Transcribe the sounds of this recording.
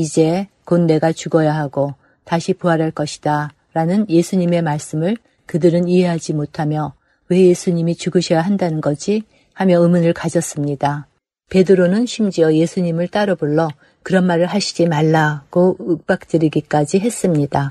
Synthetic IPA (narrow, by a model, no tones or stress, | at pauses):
id͡ʑe̞ | konːe̞ɡat͡ɕuɡʌjaɦaɡo | taɕʰipoaɾaɭk͈ʌɕʰi̥d̥a | ɾanɯnje̞sʰuɲime̞maɭs͈ɯmɯɭ | kɯdɯɾɯniɦe̞ɦad͡ʑimotʰamjʌ | we̞je̞sʰuɲimit͡ɕuɡɯɕʰʌjaɦandanɯnɡʌd͡ʑʰi | hamjʌɯmɯnɯɭkad͡ʑʌs͈ɯmɲida | pe̞dɯɾonɯnɕʰimd͡ʑiʌje̞sʰuɲimɯɭt͈aɾʌboɭːʌ | kɯɾʌnmaɾɯɭɦaɕʰid͡ʑimaɭːaɡ̥oɯk̚p͈ak̚t͈ɯɾiɡik͈ad͡ʑiɦe̞s͈ɯmɲida